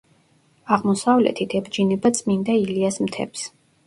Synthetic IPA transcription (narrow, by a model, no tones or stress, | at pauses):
aʁmɔsavlɛ̰t̪ʰit̪ʰɛbd͡ʒinɛbat̪sʼmind̪ailiasmt̪ʰɛ̰ps